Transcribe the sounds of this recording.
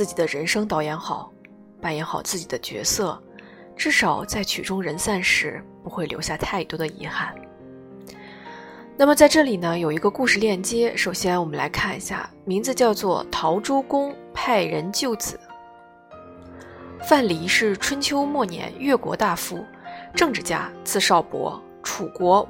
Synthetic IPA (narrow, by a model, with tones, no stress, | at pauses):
t͡sɹ̩˥˩t͡ɕi˨˩d̪ə˦ɻə˧˥nʂɤ˥ŋt̪ɑ˥˩ʊjɛ˧˥nxɑ˨˩˦ʊ | pa˨˩njɛ˧˥nxɑ˨˩ʊt͡sɹ̩˥˩t͡ɕi˨˩d̪ə˦t͡ɕɥɛ̰˧˥sɤ˥˩ | ʈ͡ʂɻ̩˥˩ʂɑ˨˩ʊt͡sa˥˩ɪt͡ɕʰy˨˩ʈ͡ʂʊ˥ŋɻə˧˥nsa˥˩nʂɻ̩˧˥pu˧˥xwe˥˩ɪljo˧˥ʊɕja˥˧t̪ʰa˥˩ɪt̪wɔ˥d̪ə˨ḭ˧˥xa˥˩n | na˥˩mə˩t͡sa˥˧ɪʈ͡ʂɤ˥˩li˨˩nə˦jo˨˩ʊi˧˥ɡə˧ku˥˧ʂɻ̩˥˧ljɛ˥˩nt͡ɕjɛ˥ʂo˨˩ʊɕjɛ˥nwɔ˨˩mə˦nla˧˥ɪkʰa˥˩nḭ˧˥ɕja̰˥˩ | mi˧˥ŋt͡sd͡zɹ̩˧t͡ɕjɑ˥˧ʊt͡swɔ˥˩t̪ʰɑ˧˥ʊʈ͡ʂo˥ʊkʊ˥ŋpʰa˥˩ɪɻə˧˥nt͡ɕjo˥˩ʊt͡sɹ̩˨˩˦ | fa˥˩nli˨˩ʂɻ̩˥˩ʈ͡ʂʰwə˥nt͡ɕʰjo˥ʊmwɔ˥˩njɛ̰˧˥nɥɛ˥˩kwɔ̰˧˥t̪a˥˧fu˥˩ | ʈ͡ʂɤ˥˧ŋʈ͡ʂɻ̩˥˩t͡ɕja̰˥˧t͡sʰɹ̩˥˧ʂɑ˥˩ʊpwɔ̰˧˥ | ʈ͡ʂʰu˨˩kwɔ˧˥